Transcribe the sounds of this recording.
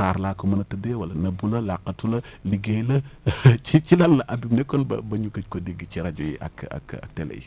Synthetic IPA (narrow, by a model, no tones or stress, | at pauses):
ɾaːɾlaːkomɐnɐtɐdɛwɐlɐnɐbulɐlaqːɐtulɐliɡejlɐcit͡ʃilɐlːɐʔɐbimnɛkːɔnbɐ̰bɐɲukɐc̚kɔdiɡiciɾɐɟujḭʔɐ̰kɐ̰kɐ̰k̚tɛlɛ̰jḭ